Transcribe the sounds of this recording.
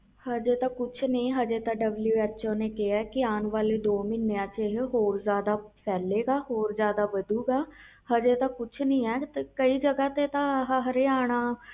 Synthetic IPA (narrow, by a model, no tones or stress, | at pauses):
həd͡ʒeːt̪ãːkʊt͡ʃʰnĩːɦəd͡ʒeːt̪ãːɖəbljuːɛːt͡ʃoːneːkɪaːkɪaːnʋaːleːd̪oːmɪnejãːt͡ʃeɦɦoːɾzjaːd̪aːpʰɛːleːɡaːɦoːɾzjaːd̪aːʋəd̪uːɡaː | həd͡ʒeːt̪ãːkʊt͡ʃʰnəĩːɛːt̪ekəiːd͡ʒəɡaːt̪eːt̪ãːɦɦəɾeːaːɽ̃aː